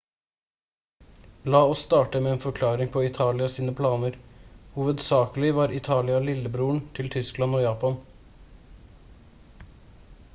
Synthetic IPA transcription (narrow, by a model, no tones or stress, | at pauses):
lɑːɔsːt̪ɑːʈəmeːeːnfɔɾkʰlɑːɾɪŋpʰɔɪt̪ʰɑːlɪɑsiːnəpʰlɑːnəɾhuːʋəd̪sɑːkəlɪʋɑːɾɪt̪ʰɑːlɪɑlɪlːəbɾuːəɳt̪ʰɪlt̪ʰʏsklɑnoːjɑːpɑn